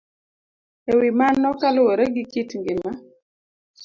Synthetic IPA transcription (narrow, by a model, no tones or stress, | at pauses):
ewimanːɔkalweɾeɡikitŋɡɪnma